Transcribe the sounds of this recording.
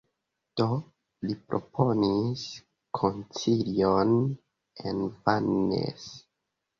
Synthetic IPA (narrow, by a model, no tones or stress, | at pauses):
d̥o | lipɾʔo̞̰pʰo̞nis | kʰont͡siljon | envanːḛs